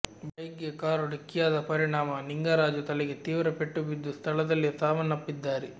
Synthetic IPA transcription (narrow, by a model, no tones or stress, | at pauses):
bɐjɡekaːɾuɽikːijaːd̪ɐpɐɾiɳaːmɐniŋɡaːɾaːd͡ʒut̪ɐlɛɡet̪iːʋɾɐpeʈːubid̪ːust̪ʰɐlɐd̪ɐlːit̪aːʋɐnːɐpːid̪ːaːɾe